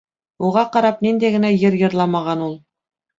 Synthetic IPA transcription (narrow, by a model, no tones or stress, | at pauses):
uʁɑqɑɾɑpnind̪æɡɘ̆næjɤɾjɤ̆ɾlˠɑmɑʁɑnulˠ